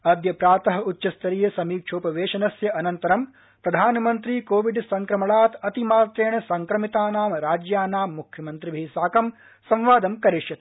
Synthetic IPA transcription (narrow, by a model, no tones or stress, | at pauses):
ɐd̪jɐpɾaːt̪ɐɦɐutːʃɐst̪ɐɾijɐsɐmiːkʃʰoːpɐʋeːʃɐnɐsjɐʔɐnɐnt̪ɐɾɐm | pɾɐd̪ʱaːnɐmɐnt̪ɾiːkoːʋiɖsɐŋkɾɐmɐɭaːt̪ɐt̪imaːt̪eːɳɐsɐŋkɾɐmit̪aːnaːmɾaːd͡ʒjaːnaːmːukʰjɐmɐnt̪ɾibʱiːsaːkɐm | sɐ̃mʋaːd̪ɐmkɐɾiʃjɐt̪